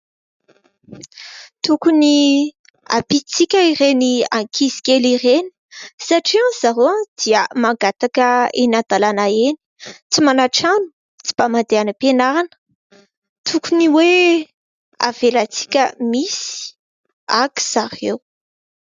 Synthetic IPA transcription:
t̪ukuni | a̰pit͡sikʲəiɾeniaŋkʰizi̥kʲeliɾeni̥saʈ͡ʂiãz̥aɾoãd̪̥iəmaŋɡat̪akəenad̪alanaeni̥t͡simanaʈ͡ʂanu̥ | t͡si̥b̥amand̪eanəpenaɾanə̥ | t̪ʰukuniwe | a̰velat͡si̥kʲəmisi̥ | aki̥z̥aɾew

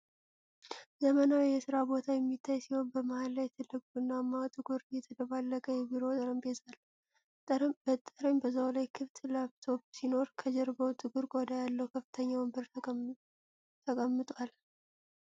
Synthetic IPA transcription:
zəmənawjɛsɨɾabo̞t̪ʰajɛmːit̪ʰːajsiho̞nbəmahalːajt̪ʰɨlːɨkʼuɨnːamːat̪ʼɨɡuɾjɛt̪ʰəd̪əβalːəkʼəjɛbiɾo̞t̪ʼəɾəmbezalʼ | b̥ət̪ʼːəɾəmbəzawlajkʰɨft̪labt̪ʰo̞bsino̞ɾkʰəd͡ʒɛɾbəwt̪ʼɨɡuɾɡʼɔd̪ajalːəwkʰəfɨt̪ʰəɲːawəmbəɾ | t̪ʰəkʼəmːɨt̪ʼwal

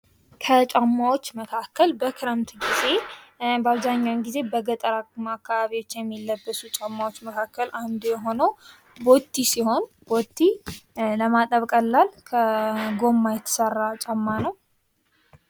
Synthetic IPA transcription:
kʰət͡ʃʼamːawo̞t͡ʃːməkʰakːəlbəkʰɨɾəmt̪ʰɡize̞baβzaɲːawnɡize̞bəɡət̪ʼəɾamakːaβaβiwo̞t͡ʃːjɛmːilːəbːəsut͡ʃʼamːawot͡ʃːməkʰakːəland̪jɛɦo̞nəw | bo̞t̪ʰːisiho̞n | b̥o̞t̪ʰːiləmat̪ʼəβkʼəlːalkʰəɡo̞mːajɛt̪ʰə̥sərːat͡ʃʼamːanəw

